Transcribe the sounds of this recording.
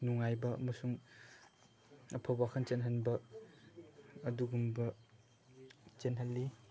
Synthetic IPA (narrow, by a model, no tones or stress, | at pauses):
nuŋajbɐɐmɐsuŋ | ɐpʰabakʰɐnt͡ʃenɦɐnbɐ | ɐduɡumbɐ | t͡ʃenɦɐlːi